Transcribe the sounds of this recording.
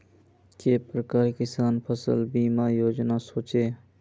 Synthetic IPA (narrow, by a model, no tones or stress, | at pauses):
keːpɾəkaːɾkɪsaːnpʰəsə̰lbiːmaːjoːd͡ʒnaːsoːt͡ʃeː